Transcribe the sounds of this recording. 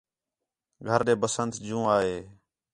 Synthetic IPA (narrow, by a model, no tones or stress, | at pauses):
ɡʱəɾɗeːbəsənt̪d͡ʒũːaːɦeː